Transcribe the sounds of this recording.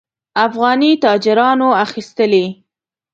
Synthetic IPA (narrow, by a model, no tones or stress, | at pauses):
afɣɑnit̪ɑd͡ʒɪɾɑnoaxist̪əle